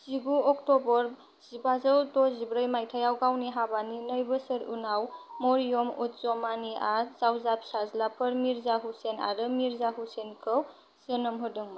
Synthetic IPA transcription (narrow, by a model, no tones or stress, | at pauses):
z̥iɡuɔktɔbɔɾ | z̥ibazəwtɔzibɾəjmajtʰajawɡawniɦabaninəjbəsəɾunawmɔɾijomut̚zɔmaniʔazawzap̚sazlapʰɯɾmiɾzaɦusena̰ɾɯmiɾzaɦusenkʰɯw | z̥ənɯmɦɯdɯŋmɯ